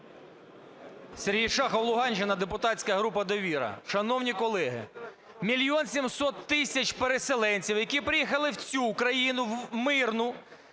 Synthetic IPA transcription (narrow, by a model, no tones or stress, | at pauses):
sʲeɾɦijʃɑxɐwlˠʊɦɑnʲt͡ʃɪnɐd̪epʊt̪ɑtt͡sʲsʲkɐɦɾupɐd̪ɔʋʲiɾɐ̰ʃɐnɔwnʲikɔlˠɛɦɪ̰ | mʲilʲjɔnsʲimsɔt̪ːɪsʲɐt͡ʃpeɾeselˠɛnʲt͡sʲiwjɐkʲipɾɪjixɐlˠɪwt͡sʲukɾɐjinʊwmɪrnʊ